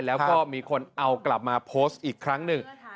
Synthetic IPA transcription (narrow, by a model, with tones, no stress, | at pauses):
jlɛː˦˥wkkɔː˥˩miː˧kʰo˧nʔa˧wkla˨˩p̚maː˧pʰoː˦˥st̪̚ʔiː˨˩kʰɾa˦˥ŋnɯ˨ŋ